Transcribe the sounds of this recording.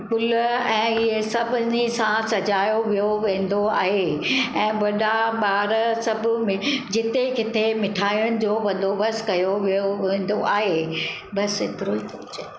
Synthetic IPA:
pʊlɛ̃ːɪɦesɐbʱʊnisãsɐd͡ʑaːjoʋijoʋẽːn̆d̪oa̰ːɦeɛ̃ːʋɐɗaɓaːɾsɐbʱʊ̆mẽd͡ʑɪt̪ekɪt̪ʰemɪʈʰaːiʊɽ̃ɪ̆d͡ʑoːʋɐ̃n̆d̪obɐskɐjoʋijoʋẽːn̆d̪oʔaːɦe | bɐsɪt̪ɾot̪ʰiʊt͡ɕe

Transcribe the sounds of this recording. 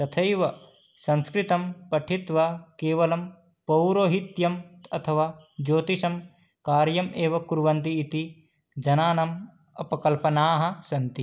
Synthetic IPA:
t̪ɐt̪ʰɐjʋɐ | sɐ̃nskɾit̪ɐmpɐʈʰit̪ʋɐkeːʋɐlɐm | pɐwɾoːɦit̪jɐmɐ̰t̪ʰɐʋaːd͡ʒoːt̪isɐm | kaːɾjɐmeːʋɐkuɾʋɐnt̪iːt̪i | d͡ʒɐnaːnɐm | ɐ̰pɐkɐlpɐnaːɦɐ̆sɐnt̪i

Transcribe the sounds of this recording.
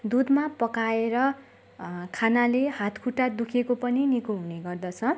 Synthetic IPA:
d̪ud̪mapʌkaeɾʌ | kʰanalehat̪kʰuʈːad̪ukʰekopʌninikuɦuneɡʌrd̪ʌt͡sʰʌ

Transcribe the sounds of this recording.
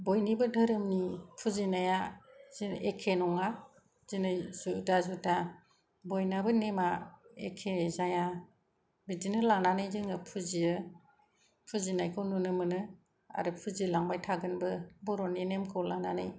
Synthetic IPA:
bɔjnibɯdɯɾɯmnipʰuzinajaziekʰenɔŋa | zinɯjzudazuta | bɔjnabɯnemaḛkʰezaja | bidinɯlananɯjzɯŋɯpʰuziɯ | pʰuzinajkʰɯwnɔnɯmɯnɯ | a̰ɾɯpʰuzilaŋbajtʰaɡɯnbɯbɔɾɔninemkʰɯwlananɯj

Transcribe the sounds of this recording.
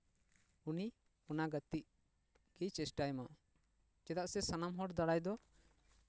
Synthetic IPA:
uni | ɔnaɡət̪iʔ | kit͡ʃɛsʈajma | t͡ʃɛt̪aʔsɛsanamɦɔɽd̪aɽajd̪ɔ

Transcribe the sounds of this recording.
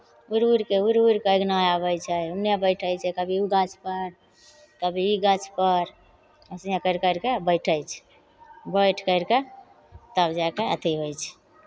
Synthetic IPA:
uɾuɾkeuɾuɾkeəɡnajaβəjt͡ʃʰɛunebəɪʈʰəjt͡ʃʰɛkəbʱiuɡat͡ʃʰpəɾ | kəbʱiiɡat͡ʃʰpəɾ | əsjẽkəɪɾkəɪɾkebəɪʈʰəjt͡ʃʰɛ̥ | bəjʈʰkəɪɾke | t̪əbd͡ʒakeət̪ʰiɦojt͡ʃʰɛ̥

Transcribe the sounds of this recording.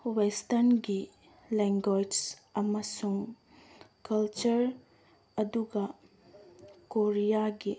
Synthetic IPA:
westɐɾnɡi | lɛŋɡojd͡ʒsɐmɐsuŋ | kɐlt͡ʃɐɾ | ɐduɡɐ | koɾijaɡi

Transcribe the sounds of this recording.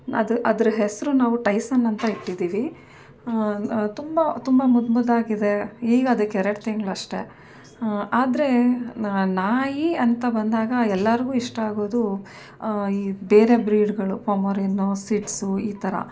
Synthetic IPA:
ɐ̰d̪uʔɐd̪ɐɾɐɦesɐɾunaːʋuʈɐjsɐnːɐnt̪ɐiʈːid̪iːʋi | t̪umbɐt̪umbɐmud̪mud̪aːɡid̪e̞iːɡɐːd̪ɐkːɛɾɐʈt̪iŋɡɭɐʂʈe̞ | aːd̪ɐɾe̞ | naːjiɐnt̪ɐbɐnd̪aːɡɐɛlːɐɾiɡuːiʂʈɐaːɡo̞ːd̪u | iːbe̞ːɾe̞bɾiːɖɡɐɭupɐmɐɾinːusiʈsuiːt̪ɐɾɐ̰

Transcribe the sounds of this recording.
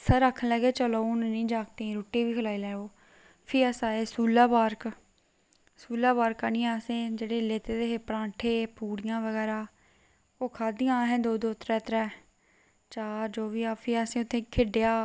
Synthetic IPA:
saːɾakʰːənlɛːɡeːt͡ʃəloːnnĩːd͡ʒaːk̚t̪ẽːɾuːʈiːʋiːkʰəlaːiːlɛːɡoː | pʰiːəsaːeːsuːlaːbaːɾk | suːlaːbaːɾkaːnĩːaːsẽːd͡ʒeːɽeːleːt̪eːd̪eːɦeːpɾãːʈʰeːpuːɽɪjãːʋəɡɛːɾaː | oːkʰaːd̪ijãɦɛ̃ːd̪oːd̪oːt̪ɾɛ̃ːt̪ɾɛː | t͡ʃaːɾd͡ʒoːʋiːaːpʰɪːaːsĩːʊt̪ʰːẽːkʰeɖejaː

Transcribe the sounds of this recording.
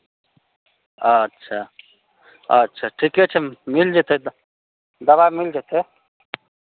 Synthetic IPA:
ətːʃʰa | ɐtːʃʰaʈʰiket͡ʃʰemild͡ʒet̪ʰe | d̪ɐbamild͡ʒet̪ʰe

